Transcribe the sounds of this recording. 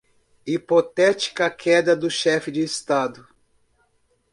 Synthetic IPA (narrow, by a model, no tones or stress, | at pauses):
ipot̪ɛt͡ʃi̥kɐkʰɛd̪ɐd̪ʊʃɛfɪd͡ʒɪːst̪ad̪ʊ